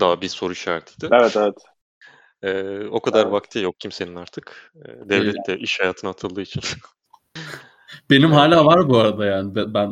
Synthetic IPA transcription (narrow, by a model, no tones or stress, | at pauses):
d̪̥aːbiso̞ɾuiʃaːɾt̪ʰid̪ɪevɛt̪evɛt̪ | ɛːo̞kʰad̪aɾbakt̪ʰɯːjok̚cʰimse̞ninaɾt̪ʰɯk | ɛ̰ːd̪ɛvlʲɛt̪d̪ɛʔiʃhajaːt̪ʰɯnahat̪ʰɯlˠɯːit͡ʃʰin | b̥e̞nimɦaːlʲaːvaɾbuaɾad̪ajaːnɪbɛbæn